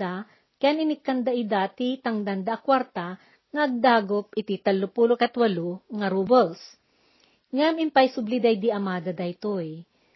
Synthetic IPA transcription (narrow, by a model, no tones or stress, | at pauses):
a | kanɪnɪkːɐnd̪aʔɪd̪aːt̪it̪ɐŋd̪and̪aʔːkwaɾt̪a | ŋɐʔɐɡ̚d̪aːɡop̚ɪt̪it̪ɐlːʊpulokɐt̪wɐluŋɐɾuːbɛls | ŋamɪmpajsʊblɪd̪ajd̪iɐmaːd̪ɐd̪ajt̪oj